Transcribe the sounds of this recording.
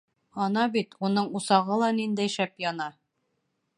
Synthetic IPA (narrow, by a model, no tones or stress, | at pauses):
ɒnɑbit̪unɤɴusɑʁɤlˠɑnind̪æjʃæpjɒnɑ